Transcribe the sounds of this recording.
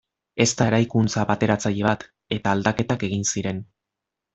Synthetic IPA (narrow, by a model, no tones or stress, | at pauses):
e̞st̪aeɾajkunt͡saβat̪e̞ɾat͡saʎe̞βat̪ | e̞t̪aːld̪ake̞t̪ake̞ɣinsiɾe̞n